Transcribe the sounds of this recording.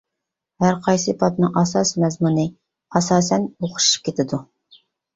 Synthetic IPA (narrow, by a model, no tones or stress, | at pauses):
hæɾqʰɑjsɨpʰɑpnɨ̰ŋʔɑsɑsmɛzmunɨ | ɑsɑːsɛnoqʰʊ̥ʃʃi̥p̚kʲʰet̪ʰɪd̪u